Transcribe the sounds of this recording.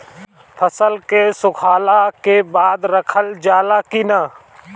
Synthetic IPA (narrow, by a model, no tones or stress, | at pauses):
pʰəsəlkesʊkʰaːlakebaːd̪ɾəkʰəld͡ʒaːlakina